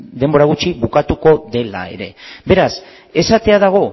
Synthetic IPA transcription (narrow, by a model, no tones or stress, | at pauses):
d̪e̞mbo̞ɾaɣ̞ut͡ʃiβukat̪uko̞ðe̞la̰e̞̰ɾe̞̰be̞ɾas | e̞sat̪e̞aðaɣ̞o̞